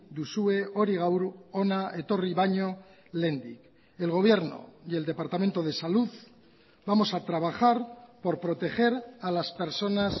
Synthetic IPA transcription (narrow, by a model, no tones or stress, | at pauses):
d̪usue̞o̞ɾiɣ̞awɾo̞nae̞t̪o̞riβaɲo̞ | le̞nd̪ḭk | e̞lɣ̞o̞β̞je̞ɾno̞̰je̞ld̪e̞paɾt̪amẽ̞nt̪o̞ð̞e̞saluð | bamo̞sat̪ɾaβ̞axaɾpo̞ɾpɾo̞t̪e̞χe̞ɾalaspe̞ɾso̞nas